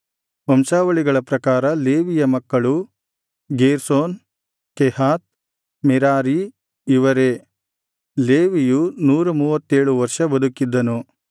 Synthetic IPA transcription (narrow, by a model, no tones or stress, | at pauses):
ɐmsaːʋɐɭiɡɐɭɐpɾɐkaːɾɐleːʋijɐmɐkːɐɭu | ɡeːɾsoːn | kɛhaːt̪̚ | mɛɾaːɾi | iʋɐɾe̞ | leːʋijunuːɾumuːʋɐt̪ːeːɭuʋɐɾʂɐbɐd̪ukːid̪ːɐnu